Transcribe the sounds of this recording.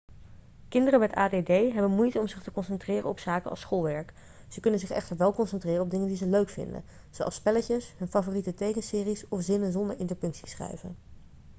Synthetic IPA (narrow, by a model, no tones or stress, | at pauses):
kɪndərəmɛta̰ːdedejɦɛbənmujtəɔmzɪχtəkɔnsɛntrɪːrə̰ɔpsaːkəʔɑ̰sχolˠʋɛɹk | z̥əkɵnənzɪχɛ̰χtəɹʋɛlˠkɔnsɛntrɪːrəɔb̚dɪŋəndizəløɥkfɪ̰ndə̰ | zowʔɑ̰lspɛləcəsɦɵnfavoːritətejkənsɪːrisɔfzɪnənzɔndəɹɪntəɹpɵŋksi̥sχrɛ̰jvə̰n